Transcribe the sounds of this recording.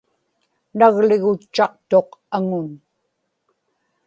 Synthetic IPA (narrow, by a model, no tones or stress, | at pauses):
naɣlɪɣʊt͡ʃːɑq̚t̪o̞qaŋʊn